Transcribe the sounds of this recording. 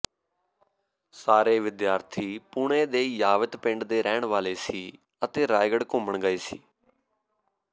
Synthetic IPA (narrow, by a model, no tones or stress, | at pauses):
saːɾeːʋɪd̪jaːɾt̪ʰiːpʊɳeːd̪eːjaːʋət̪pɪ̃ɳɖd̪eːɾɛːɳʋaːleːsiː | ət̪eːɾaːjɡəɽkʊməɳɡəeːsiː